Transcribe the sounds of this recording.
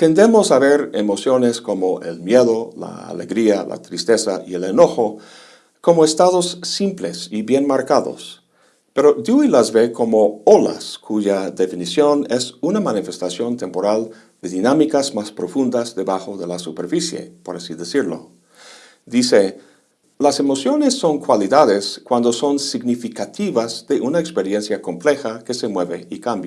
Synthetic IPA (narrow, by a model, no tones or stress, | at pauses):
t̪e̞nd̪e̞mosaβeɾemo̞sjo̞nesko̞mo̞ʔe̞lmje̞ðola̰a̰leɣɾiala̰t̪ɾist̪e̞saʔieleno̞xo | ko̞moest̪aðosːimple̞siβje̞nmaɾkaðo̰s | pe̞ɾod̪juilazβe̞ko̞mo̞ola̰skʰuʝad̪e̞finisjo̞ne̞sunamanifest̪asjo̞nt̪e̞mpo̞ɾal | d̪e̞ðinamikazmaspɾo̞fund̪azðe̞βaxoðe̞lasupe̞ɾfisjḛpo̞ɾasiðesiɾlo̰ | d̪ise | lase̞mo̞sjo̞nesːo̞nkwaliðaðeskwand̪oso̞nsiɡnifikat̪iβazðe̞ʔunaekspe̞ɾje̞nsjako̞mple̞xake̞se̞mweβeikambja